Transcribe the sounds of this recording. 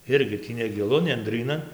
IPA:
ˈɪrʲɡʲɪ ˈtʲiː nʲɛɡʲɪˈlˠʊ nʲɛnʲˈdʲrʲiːnɐn

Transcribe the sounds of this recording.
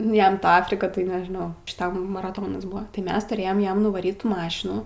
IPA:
ˈjɛm ˈtɐ ˈɑːfʲrʲɪkɐ tɐɪ nʲɛʒʲɪˈnɐʊ ʃʲɪˈtɐm mɐrɐˈtoːnɐs ˈbʊʋɐ tɐɪ ˈmʲɛs tʊrʲˈeːjɛm ˈjɛm nʊʋɐˈrʲiːt ˈtuː ˈmɑːʃʲɪnuː

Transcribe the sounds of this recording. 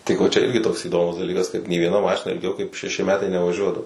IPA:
tʲɪk ʋoː ˈt͡ʃʲɛ ˈɪrʲɡʲɪ toːks iːˈdoːmʊs dɐˈlʲiːkɐs kɐt nʲeː ʋʲiɛˈnɐ ˈmɑːʃʲɪnɐ ɪlʲˈɡʲɛʊ kɐɪp ʃʲɛˈʃʲɪ ˈmʲæːtɐɪ nʲɛʋɐˈʒʲuɔdɐʋoː

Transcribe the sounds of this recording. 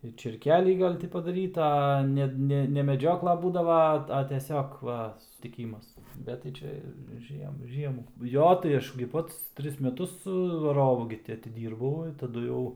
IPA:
ɪr t͡ʃʲeːrʲˈkʲæːlʲiː ˈɡɐlʲ ˈtʲɪ pɐdɐˈrʲiːtɐ ɐ ˈnʲɛ ˈnʲɛ nʲɛ mʲɛˈd͡ʒʲoːklˠɐ ˈbuːdɐʋɐ ˈɐ ɐ tʲɛˈsʲoːk ˈʋɐ sʊsʲtʲɪˈkʲiːmɐs ˈbʲɛt tɐɪ ˈt͡ʃʲɛ ˈʒʲiɛm ˈʒʲiɛmuː ˈjoː tɐɪ ˈɐʃ ɡʲɪ ˈpɐts ˈtʲrʲɪs mʲɛˈtʊs ʋɐˈroːʋʊ ɡʲɪ ˈtʲɪ ɐtʲɪˈdʲiːrbɐʊ ɪ tɐˈdʊ jɛʊ

